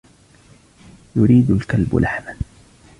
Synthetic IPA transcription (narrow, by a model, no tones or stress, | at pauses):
jʊɾiːd̪ʊlkalb̰lʔaħman